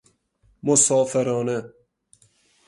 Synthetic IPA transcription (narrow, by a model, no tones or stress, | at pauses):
mosɔːfeɾɔːne